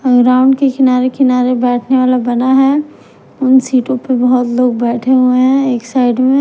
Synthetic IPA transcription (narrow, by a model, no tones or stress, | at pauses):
ɡɾaːʊ̃ɳɖkekɪnaːɾekɪnaːɾebɛːʈʰneʋaːlabɐnaɦɛ | ʊnsiːʈõpebɐɦɔt̪loːɡ̚bɛːʈʰeɦueɦɛ̃eːksaːɪɖmẽ